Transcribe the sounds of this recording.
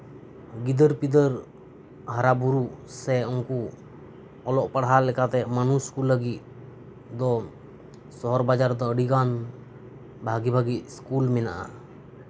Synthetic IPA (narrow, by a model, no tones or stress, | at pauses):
ɡid̪əɾpid̪əɾ | ɦaɾabuɾusɛɔŋku | ɔlɔʔpaɽɦalɛkat̪ɛmanuskuləɡit̪̚ | d̪ɔ | sɔɦɔɾbad͡ʒaɾd̪ɔəɽiɡan | bʱaɡibʱaɡit̪̚skulmɛna̰ʔa̰